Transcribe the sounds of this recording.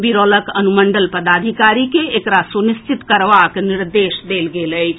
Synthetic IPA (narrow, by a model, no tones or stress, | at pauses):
biɾoːləkənuməɳɖəlpəd̪aːd̪ʱikaːɾikeekɾasunist͡ʃit̪kəɾʋakniɾd̪eːsd̪eːlɡeləjt͡ʃʰ